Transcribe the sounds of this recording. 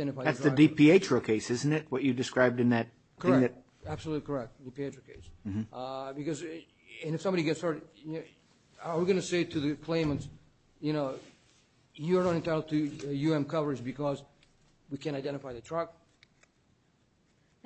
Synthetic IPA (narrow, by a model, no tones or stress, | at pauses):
dɛ̃ɾ̃ɨfaɪðætsðɨdipʰieɪt͡ʃɹ̥əkʰeɪsɪz̃n̩tɨt̚wʌt͡ʃɨdɨskɹaɪb̚dɨ̃nðɨt̚ | kʰəɹɪ̃ŋŋðɨt̚ | æb̥səlutˡlikʰə˞ɛk̚t̚d̥ipieɪtɹəkʰeɪs̩ | bɨkʌz | ɨ̃nɨfsʌ̃mbɑɾiɡɛtsɑɹ | ə˞wiɡʌnɨseɪɾʰɨðɨkʰl̥ẽɪ̃mə̃nts | jɨñoʊ | jɨə˞nɑɾɨ̃ntaɪɾl̩ˠd̚tʰɨjʉɛ̃mkʰʌvə˞zbɨkʰʌz | wikʰɨ̃naɪdɛ̃ɾ̃ɨfaɪðɨtʰɹ̥ʌk̚